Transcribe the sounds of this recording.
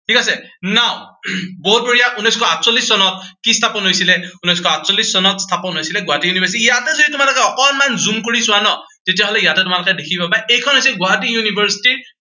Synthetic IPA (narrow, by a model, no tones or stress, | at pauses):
tʰikasɛnaʊ̃boɦut̚boɹijaʔunɔjskʰɔatsɔlisːɔnɔt̚kistʰapɔnɦojsilɛunɔjskʰɔatsolisːɔnɔtstʰapɔnɦojsilɛɡʊatijunibaɹs̬itijatɛzoitʊmalɔkɛɔkɔnmanzumkoɹisʊwanɔ | tetijaɦolɛjatɛtʊmalɔkɛdekʰipabajejkʰɔnɦojsiɛlɡʊaɦat̬ijunibʱɛɹsi̥tiɹ